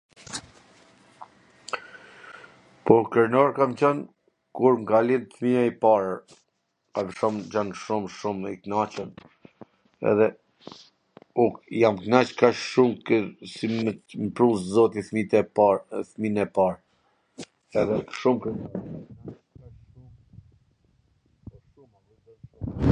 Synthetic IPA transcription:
pɔɾkəɾnɔɾkamt͡ɕɔn | kuɾŋɡalinθmiaipaɾ | avəʃɔmd͡ʑanʃumʃumiknat͡ʃən | ɛ̰ðɛ | ukjamknat͡ʃkaʃʃumksiməpɾuszɔt̪iθmit̪ɛpaθminɛpaɾ | ɛðɛʃumk

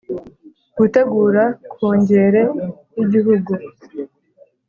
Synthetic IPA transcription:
ɡ̥ute̞ɡuːɾakoːɲɟe̞ɾe̞jiɟiɦuɡu

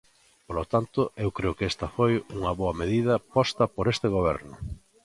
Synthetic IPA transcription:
polot̪ant̪ʊewkɾeʊkest̪ɐfojuŋɐβoɐmeðiðɐpɔst̪ɐpoɾest̪eɣ̞oβ̞ɛɾnʊ

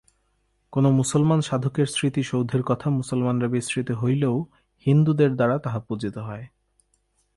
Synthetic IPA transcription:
konomusolmanʃad̪ʱokeɾsɾit̪iʃowd̪ʱeɾkɔt̪ʰamusolmanɾabesɾit̪oɦojleo | hind̪ud̪eɾd̪aɾat̪aɦapud͡ʑit̪oɦɔe

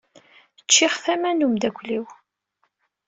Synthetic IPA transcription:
ət͡ʃːɪχθæmænumd̪ækʷliw

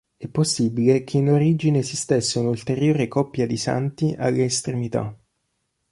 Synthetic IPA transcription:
ɛpːosːibilekʰeinoɾid͡ʒinesist̪esːeunult̪eɾjoːɾekɔpːjad̪isa̰nt̪iʔalːaest̪ɾemit̪a̰

